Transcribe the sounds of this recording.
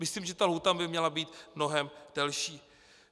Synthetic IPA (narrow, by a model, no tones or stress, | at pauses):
mɪsliːmʒɛt̪alɦut̪abɪmɲɛlabiːt̪mno̞ɦɛmd̥ɛlʃiː